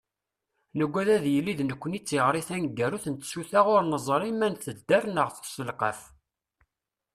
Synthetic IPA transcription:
nəɡʷːæðæðjəlːiðnəkʷːənit͡sːiʁɾˤiθænɡːæɾuθənt̪suθæʁʊɾnəzˤɾˤimænθəd̪ːæɾnəʁθsəlqə̰f

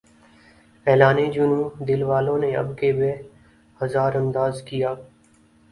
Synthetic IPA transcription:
ɛːlaːneːd͡ʒʊnũːd̪ɪlʋaːlõːneə̰bkeːbeː | həzaːɾə̃nd̪aːzkɪjaː

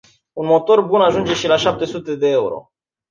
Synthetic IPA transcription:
unmo̞t̪o̞rbunaʒund͡ʒe̞ʃilaʃap̚t̪e̞sut̪e̞d̪e̞euɾo̞̰

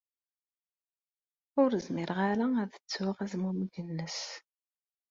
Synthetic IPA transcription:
ʊɾəzmɪɾʁaɾææðət͡sːʊʁæzmuməɡənːəs

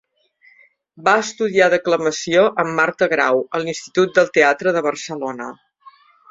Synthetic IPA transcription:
baəst̪uðiaðəkləməsioʔəmːaɾt̪əɣɾa̰wəlinst̪it̪ut̪̚d̪əlˠt̪eat̪ɾəðəβərsəlonə̰

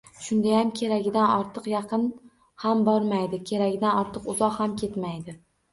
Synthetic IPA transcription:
ʃʊnd̪ajamkʲʰe̞ɾaɡʲɪd̪anɒɾt̪ʰɨqjɑqʰɨn | hambɒɾmajd̪ɪkʲʰe̞ɾaɡʲɪd̪anɒɾt̪ʰɨqʊzɒqhamkʲʰe̞t̪majd̪ɪ

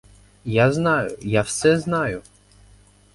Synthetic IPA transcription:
jaznɑjʊjawsɛznɑjʊ

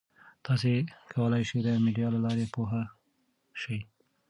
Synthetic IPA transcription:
t̪ɑs̬ekʰawəlajʃid̪əmiɖijɑlalɑɾepoɦa | ʃəj

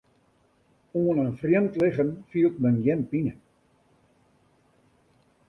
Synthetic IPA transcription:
uənənfrjəmtlɪɣənfiːlˠt̚mənjɛnpinə

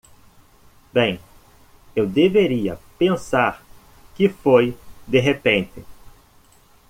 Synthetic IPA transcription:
bẽj̃ | ewd̪eveɾiɐ̰pẽsaɾ | kɪfojd̪eɦepẽnt̪ɪ

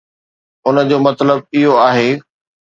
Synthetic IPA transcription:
ʊnə̆d͡ʑoːmɐt̪ləb̚ɪɦoaːɦeː

